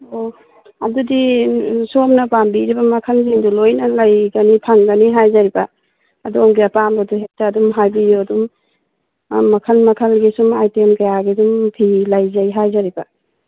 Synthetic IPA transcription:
o | ɐdudisomnɐpambiɾibɐmɐkʰɐnziŋdulojnɐlajɡɐnipʰaŋɡɐniɦajzaɾibaː | dumɡiapambaduɦek̚taːdumɦajbijodum | mɐkʰɐnmɐkʰɐlɡisumajtemkajaɡedumpʰilajzajɦajzaɾiba

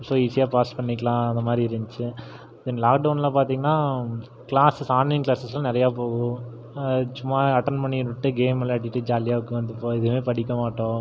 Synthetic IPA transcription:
soːiːsɪjaːpaːspɐɳːɪkːɐlãːɐnd̪ɐmaːd̪ɾiɪɾɯnd͡ʒɯt͡ʃːɯ | ɪnlaːk̚ɖɐʊnlãːpaːɾt̪iːŋɡɐnːaː | kɪlaːsɐsaːɾnɪŋklaːsɐslãːnɪɾɐjaːpoːɣʊ̃ | t͡ʃʊmːaːɐʈːɐnpɐɳːɪɾɪʈːɯɡeːmɐlɐɐʈːɪʈːɯd͡ʒaːlɪjaːʋɯkːɯʋɐnd̪ɯpːoːɪðɯmeːpɐɽɪkːɐmaːʈːõː

